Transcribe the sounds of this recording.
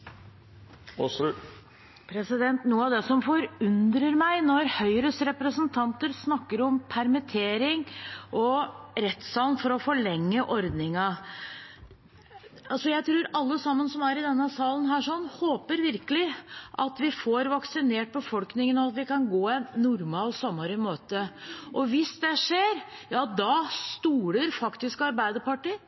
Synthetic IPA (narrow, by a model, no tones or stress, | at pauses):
pʰɾɛsɪd̪ɛnt̪nuːəɑʋd̪ɛsɔmfɔɾʉnd̪ɾəɾmæɪnɔɾhœʏɾəsɾɛpɾəsənt̪ʰɑnt̪əɾsnɑkːəɾɔmpʰæɾmɪt̪ʰeːɾɪŋʔɔɾɛt̪sɑlnfɔɾɔfɔɭɛŋːəʔɔɾd̪nɪŋɑ | ɑlsɔjæɪt̪ʰɾuːɾɑlːəsɑmːənsɔmæɾɪd̪ɛnːəsɑːlən̩ɦæːʂɔnːhoːpəɾʋɪɾkəlɪʔɑt̪ʋɪfoɾʋɑksɪneːʈ̚bəfɔlknɪŋənɔɑt̪ʋɪkɑnɡoːɛnnːʊɾmɑɔlsɔmɑɾɪmøːt̪əʔɔʋɪsd̪ɛʂeːɾjɑːd̪ɑst̪uːɾəɾfɑkt̪ɪskɑɾbæɪd̪əpɑʈɪ